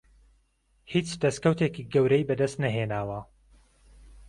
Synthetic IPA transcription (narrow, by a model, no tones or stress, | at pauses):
hit͡ʃd̪ɐskɐwt̪ekiːɡɐwɾɛjbɐd̪ɐst̪nɐɦeːnaːwɐ